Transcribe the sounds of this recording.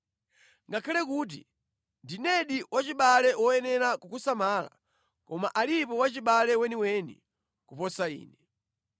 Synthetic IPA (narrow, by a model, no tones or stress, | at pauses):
ŋɡakʰalɛkuːt̬ḭ | ndinɛɗiwat͡ʃiɓalɛwɔjɛnɛɾakukusamaːla̰ | kɔmaʔalipɔwat͡ʃiɓalɛwɛniwɛnḭ | kupɔsaḭːnɛ